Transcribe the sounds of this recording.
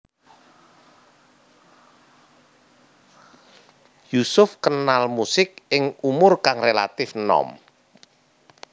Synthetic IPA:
jusʊfkənalmusɪk̚ɪŋumʊrkaŋrela̰t̪ɪfnɔ̰m

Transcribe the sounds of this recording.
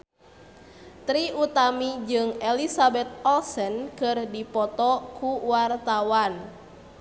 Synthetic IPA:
t̪ɾiut̪amid͡ʒɨŋɛlisabɛt̪̚ɔlsənkɨrdipɔt̪ɔkuwart̪awan

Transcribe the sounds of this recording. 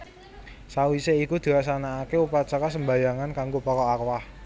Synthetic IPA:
sawiseikud̪̥e̤as̬anaːkeupat͡ʃɔkas̬əmba̤jaŋankaŋɡopɔkɔakwah

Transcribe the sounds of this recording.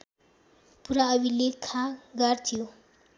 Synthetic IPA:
puɾaʌbilekʰãɡʌrt̪ʰijo

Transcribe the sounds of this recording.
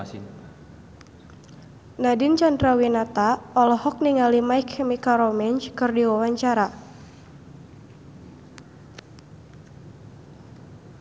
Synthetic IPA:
nadɪnt͡ʃandɾawinat̪aɔlɔhɔk̚niŋalimajkʰːɛmikaɾɔmɛɲt͡ʃkɨrdiwawaɲt͡ʃaɾa

